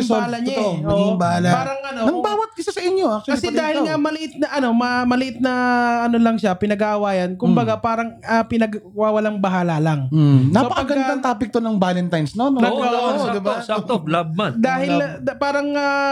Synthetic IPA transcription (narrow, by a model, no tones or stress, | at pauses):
solɐɲaoʔmmɐɡiŋbɐhaːlapaːɾɐŋɐnonɐɡbaːwɐt̪̚kɪsasɐʔɪɲjoʔak̚t͡ʃ̪wkɐisɛd̪aːhɪlŋamɐlɪʔɪt̪̚nɐʔɐno̞mɐmɐlɪʔɪt̪̚nɐʔɐnolɐŋʃapɪnɐɡaʔɐwaːjɐnkʊmbɐɡapaːɾɐŋɐpɪnɐɡwawɐlaŋbɐɦaːlɐlaŋ̩sɐopɐkpɐɡɐɐŋt̪aːpɪk̚t̪onɐŋbaːlɛnt̪ajnsnononɐaad̪ɪbalab̚mand̪aːhɪldpaːɾɐŋɐ